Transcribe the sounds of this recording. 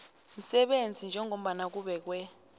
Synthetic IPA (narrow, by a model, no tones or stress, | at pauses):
m̩sɛɓend͡zʱind͡ʒʱɛŋom̩ɓanak̬uɓɛk̬wɛ